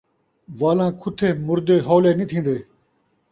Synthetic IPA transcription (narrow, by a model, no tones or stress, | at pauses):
ʋaːlãːkʰʊt̪ʰeːmʊɾd̪eːɦoːleːnit̪ʰĩːnd̪eː